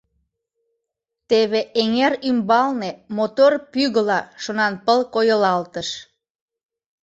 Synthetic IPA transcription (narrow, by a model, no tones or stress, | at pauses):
t̪eβeʔeŋeɾymbɑlnemot̪orpyɣəlɑʃonɑnpəlkojəlɑlt̪əʃ